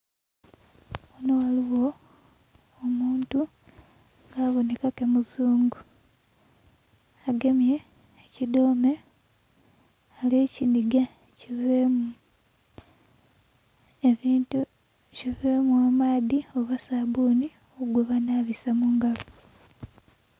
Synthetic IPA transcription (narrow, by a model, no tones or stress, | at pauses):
onowaliwo̞ | muːntu | ŋɡaːβo̞ne̞kakemuzuːŋɡu | aɡe̞mje̞ː | cido̞ːme̞ | aleːciniɡa | civemu | eβiːntu | civemwamaːðio̞βasaβuni | ouɡwoβanaβisamuŋɡaβu